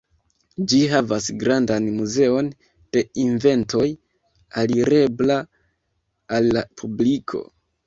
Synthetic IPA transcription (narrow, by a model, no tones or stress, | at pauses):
d͡ʒiɦavasɡɾandanmuze̞o̞n | d̥e̞inve̞nto̞j | aliɾe̞bla | alːapʰublikʰo̞̰